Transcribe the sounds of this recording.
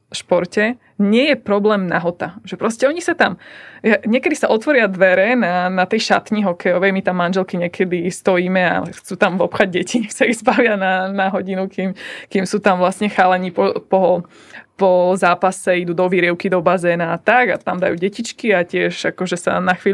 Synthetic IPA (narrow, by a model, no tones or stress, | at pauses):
ʃpɔɾcɛ | ɲɪɛjɛpɾɔblɛːmna̰ɦɔt̪aʒɛpɾɔscɛɔɲisat̪amjaɲɪɛkɛd̪isaʔɔt̪ʋɔɾɪad̪ʋɛɾɛnanat̪ɛjʃa̰t̪ɲiɦɔkɛjɔʋɛjmit̪amːanʒɛlkiɲɛkʰɛd̪ist̪ɔjiːmɛa̰xt͡suːt̪amvɔpxaɟ̚ɟɛcʰisaiɣzbaʋɪananaɦɔɟinukimkimsuːt̪amʋlast̪ɲɛxaːlɛɲipɔpɔ | pɔzaːpasɛid̪uːd̪ɔʋiɾɪɛʊkid̪ɔbazɛːnaːt̪aɡa̰t̪amd̪ajuːɟɛcit͡ʃkiacɪɛʒakɔʒɛsa̰naxʋiː